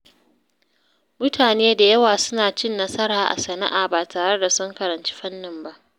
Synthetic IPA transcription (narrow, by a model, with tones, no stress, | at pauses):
mʊ˦tʰaː˨neː˦da˨jɐ˦waː˨sʊ˦naː˨t͡ʃɪ˦nːɐ˦sɐ˦ɾaː˨ʔa̰˨sɐ˨na̰˦ʔaː˨baː˨taː˨ɽe˦da˨sʊ˦ŋkɐ˨ɾɐ˨nt͡ʃi̥˦ɸɐ˦nːɪ˨mba˦ʔ